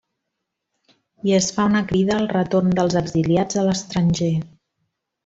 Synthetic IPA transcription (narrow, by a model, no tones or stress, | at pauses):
iəsfaunəkɾiðəːlˠrət̪oɾnd̪əlˠzəɡziliad͡zðələst̪ɾənʲʒe